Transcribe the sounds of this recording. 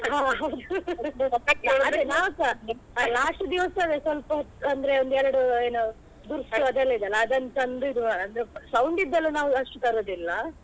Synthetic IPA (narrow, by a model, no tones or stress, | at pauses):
ɦaːɦɐwd̪u | ɐɐɐd̪enaːʋsalaːʂʈud̪iʋɐsɐd̪esɐlpɐɐnd̪ɾeond̪ɛɾɐɽueːnu | d̪uɾsuɐd̪ɐlːid̪ɐlːɐːd̪ɐnt͡ʃɐnd̪uid̪uɐɐnd̪ɾesɐwɳɖid̪ːɐlːunaːʋuɐʂʈuk̪ɐɾoːd̪ilːɐ